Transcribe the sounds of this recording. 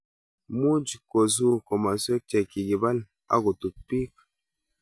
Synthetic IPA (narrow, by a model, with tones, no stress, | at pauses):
mu˦d͡ʒko˨z̬u˦ko˨ma˨so˦t͡ʃe˨ki˨ɡi˨ba˦l | a̰˦ɡo˨tu˨k̚pi˦k